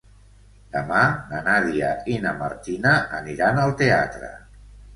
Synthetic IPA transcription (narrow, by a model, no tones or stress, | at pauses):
d̪̥əmanənaðiainəmaɾt̪inəəniɾanəlˠt̪eat̪ɾə̰